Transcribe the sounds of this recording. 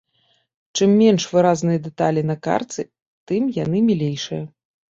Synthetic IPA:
t͡ʂɨmːʲɛnʂvɨɾaznɨjɐd̪ɨt̪alʲinɐka̰rt̪sɨ | t̪ɨmjanɨmʲilʲejʂɨ̰jɐ

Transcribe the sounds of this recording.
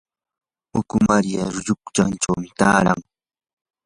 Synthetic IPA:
ʊkʊmaɾjaɾʊʎʊkt͡ʃant͡ʃawmɪt̪aːɾa̰ŋ

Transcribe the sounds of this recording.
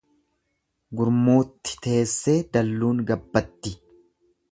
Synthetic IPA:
ɡʊɾmuːt̪ːɪ̥t̪e̞ːsːe̞ːd̪ɐlːuːŋɡɐbːɐt̪ːɪ

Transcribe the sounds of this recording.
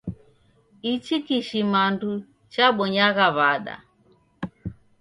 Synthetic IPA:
it͡ʃikiʃimandu | t͡ʃaɓɔɲaɣaβaɗa̰

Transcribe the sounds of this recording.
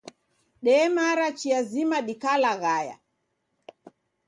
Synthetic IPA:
ɗɛːmaɾat͡ʃiazimaɗikalaɣaja̰

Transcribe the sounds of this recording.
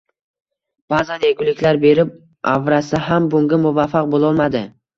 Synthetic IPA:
b̥azaneɡʲʊlɪkʲlaɾbe̞ɾɪp̚ | ʔavɾasɪɦambʊŋɡʲamʊvafaq̚bolˠɒlˠmad̪ɪ

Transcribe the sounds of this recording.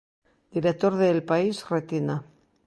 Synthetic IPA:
d̪iɾek̚t̪o̞ɾðelpaisret̪ina

